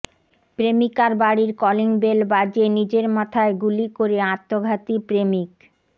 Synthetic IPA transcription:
pɾemikaɾbaɽiɾkɔliŋbelbad͡ʑenid͡ʑeɾmat̪ʰaeɡulikoɾeãt̪ːoɡʱat̪ipɾemik

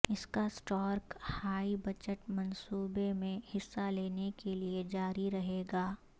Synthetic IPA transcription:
ɪskasʈɔːɾkhaːibɐt͡ʃəʈmɐ̃nsuːbemẽhɪsːaleːnekelied͡ʒaːɾiɾɐɦeːɡaː

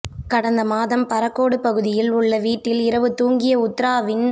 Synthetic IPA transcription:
kɐɽɐnd̪ɐmaːðɐmpɐɾɐkːoːɽɯpɐɣɯðɪjɪlʊɭːɐʋiːʈːɪlɪɾɐʋɯt̪uːŋɡɪjɐʊt̪ːɾaːʋɪn

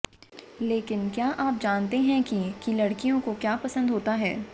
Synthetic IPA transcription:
leːkɪnkjaːʔaːp̚d͡ʒaːnt̪eɦɛ̃kikilɐɽkijõkokjaːpɐsə̃nd̪ɦoːt̪aɦɛ̰ː

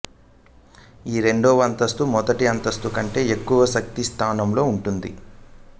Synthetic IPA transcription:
iːɾe̞ɳɖoːʋɐnt̪ɐst̪umɔd̪ɐʈiɐnt̪ɐst̪ukɐɳʈe̞ːekːuʋɐʃɐk̚t̪ist̪ʰaːnɐmlo̞ːuɳʈund̪ḭ

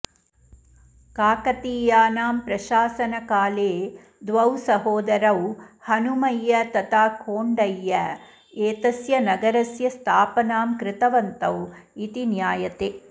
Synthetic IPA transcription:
kaːkɐt̪iːjaːnaːmpɾɐʃaːsɐnɐkaːleː | d̪ʋɐwsɐɦoːd̪ɐɾɐwhɐnumɐjːɐt̪ɐt̪aːkʰoːɳɖɐjːɐ | eːt̪ɐsjɐnɐɡɐɾɐsjɐst̪ʰaːpɐnaːmkɾɪt̪ɐʋɐnt̪ɐwit̪injaːjɐt̪e

